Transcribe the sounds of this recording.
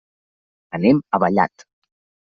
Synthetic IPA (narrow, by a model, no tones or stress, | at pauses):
ənɛməβəʎa̰t̪